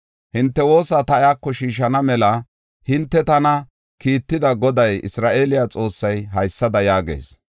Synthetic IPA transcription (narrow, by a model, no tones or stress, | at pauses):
hɪnt̪ːɛwo̞ːsɐt̪ɐʔjaːkːɔʃiːʃ̬ɐnɐmɛlɐ | hɪnt̪ːɛt̪ɐnɐ | kiːt̪ːɪd̪ɐɡɔd̪ɐjɪ̰sɾaːʔeːlɪjat͡sʼo̞ːsːɐjɦɐjsːɐd̪ɐjaːɡḛːs